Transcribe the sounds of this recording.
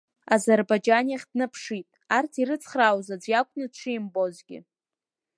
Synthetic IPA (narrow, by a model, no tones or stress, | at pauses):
azerbajd͡ʒaniaχʲdnɨpʰʂitʼ | artʰiɾɨt͡sʰχrawzad͡zʷjakʷʼnɨʈ͡ʂʷʰɨimbo̞zɡʲɪ̰